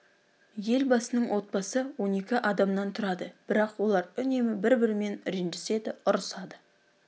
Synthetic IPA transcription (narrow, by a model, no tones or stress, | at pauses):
je̞lbɑsənəɴwʔo̞t̪̚bɑsəwo̞ne̞kʲɪʔɑd̪ɑmnɑnt̪ʰʊɾɑd̪əb̥ɪɾɑqwo̞lˠɑɾʏne̞mɪbɪɾbɪɾɪme̞nɾenʒɪse̞d̪ɪʊɾəsɑd̪ə